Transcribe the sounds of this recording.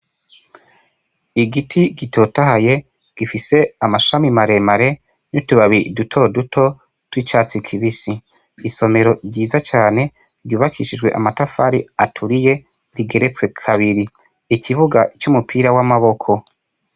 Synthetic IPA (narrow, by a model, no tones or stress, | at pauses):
iɡitʰiɡitʰo̞taɦaje̞ | ɡ̥ifise̞amaʃamimaɾe̞maɾe̞ | nutuβaβidutʰo̞dutʰo̞ | twit͡ʃaːt͡sikʰiβisiː | so̞me̞ɾo̞ɾɟiːzat͡ʃaːne̞ | ɾɟuːβakʰiʃid͡ʒɡwe̞̰ʔamatafaɾiatʰuɾije̞ | ɾiɡe̞ɾe̞t͡swe̞kʰaβiɾi | ikʰiβuɡat͡ʃumupʰiːɾawamaβo̞kʰo̞